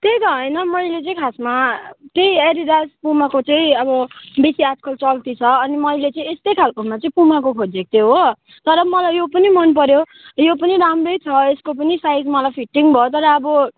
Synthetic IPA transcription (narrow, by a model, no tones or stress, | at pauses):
t̪eɡʌɦʌjnʌmʌjlet͡sʌ̃ĩkʰasmat̪eieɾid̪aspumakot͡sʌ̃ĩʌbʌbisiat̪kʰʌlt͡sʌlt̪it͡sʰʌʌnimʌjlet͡sʌ̃ĩest̪ʌjkʰalkoɦunmat͡sʌ̃ĩpumakokʰod͡zek̚t̪eɦo | t̪ʌɾʌmʌlajjopʌnimʌnp̬ʌɾjo | jopʌniɾamrojt͡sʰʌeskop̬ʌnisajd͡zmʌlajpʰiʈːiŋbʱʌot̪ʌɾʌːbʌ